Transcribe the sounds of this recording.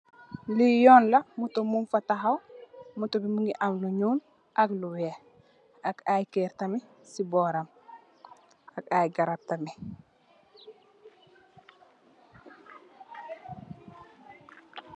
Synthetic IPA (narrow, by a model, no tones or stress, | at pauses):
lijɔːnlɐmutomunfataɦawmutobimuŋɡiʔamluɲuːn | ʔɐkluwe | akajkeɾtɐmi | sibɔːɾam | akajɡaɾap̚tɐmi